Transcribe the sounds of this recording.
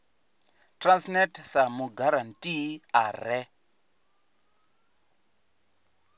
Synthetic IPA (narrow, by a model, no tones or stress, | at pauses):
transnetsamuɡaɾantʼiarɛ